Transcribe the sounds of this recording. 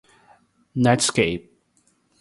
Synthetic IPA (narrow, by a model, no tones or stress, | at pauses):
natskeɪp̚